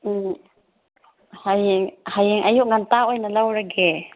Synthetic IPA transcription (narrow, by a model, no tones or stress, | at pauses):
hajŋhajɪŋʔajʊʔŋant̪aojnalawɾaɡɛ